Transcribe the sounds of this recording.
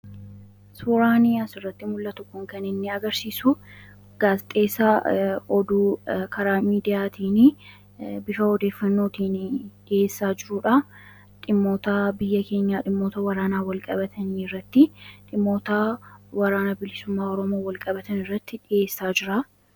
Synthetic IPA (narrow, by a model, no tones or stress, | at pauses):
suːɾaːnɪjaːsɪrːɐt̪ːɪmʊlːɐt̪ʊkːʊŋkɐnɪnːɪɐɡɐɾsiːsʊ | ɡ̥aːst̪ʼe̞ːsaɔd̪uːkʰɐɾaːmiːd̪ɪjaːt̪iːnɪ | bɪʃɐɔd̪e̞ːfːɐnːo̞ːt̪iːnᶑɪje̞ːsːaːd͡ʒɪɾʊᶑɐ | ᶑɪmːo̞ːt̪aːbɪjːɐke̞ːɲːaːᶑɪmːo̞ːt̪ɐwɐɾaːnaːwɐlkʼɐbɐt̪ʰɐniːɪrːɐt̪ːɪᶑɪmːo̞ːt̪aːwɐɾaːnɐbɪlɪsʊmːaːɔɾɔmo̞ːwɐlkʼɐbɐt̪ɐnɪrːɐt̪ːɪᶑɪje̞ːsːaːd͡ʒɪɾa